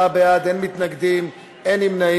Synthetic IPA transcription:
abejad̪enmit̪naɡd̪im | enimna

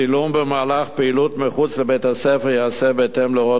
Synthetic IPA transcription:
ilumbemaːlaχpeilut̪meχut͡slebejt̪hasefeʁjeasebeːt̪emleʁo

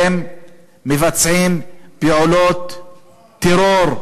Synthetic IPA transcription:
emː | evat͡sʕimpeʕulot̪ː | eɾoɾ

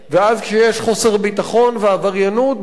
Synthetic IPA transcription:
veazkʃejeʃχo̞se̞ʁbit̪aχo̞nveavaʁjanut̪̚

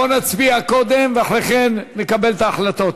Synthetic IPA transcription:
onat͡sbiako̞d̪emveaχʁeχenːekabe̞lt̪aːχlat̪o̞t̪

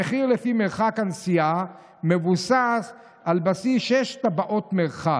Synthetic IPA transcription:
eχiʁlefimeʁχakansija | mevusas | albasiʃeʃt̪abaʔo̞t̪meʁχa

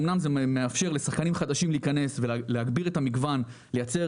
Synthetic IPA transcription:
mnamzemeafʃe̞ʁle̞saχkanimχad̪aʃimliːkane̞svelleɦaɡbiʁetamiɡvan | le̞jat͡se̞

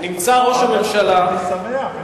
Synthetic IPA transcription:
nimt͡saʁo̞ʃame̞mʃalasaa

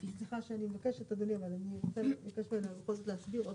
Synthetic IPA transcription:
bisliχaʃeanimevakeʃet̪ad̪oniavalaniʁt͡seikeʃmilʁoxolzot̪lehasbiʁo

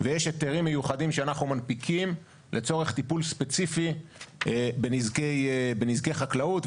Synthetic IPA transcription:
vejeʃeteʁimːejuχadimʃeanaχnumanpikʰim | lʔe̞t͡so̞ʁe̞χt̪ipulspe̞t͡sifi | benizkejbenizke̞jχaklaut

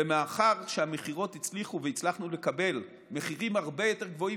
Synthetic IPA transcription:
emaaχaʁʃeame̞χiʁo̞t̪it͡sliχuveit͡slaχnule̞kabe̞l | me̞χiʁimhaʁbe̞jo̞te̞ʁɡvo̞i

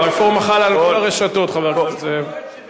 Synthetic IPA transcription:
efoʁmaχalalʁeʃat̪ot̪χaveʁoze

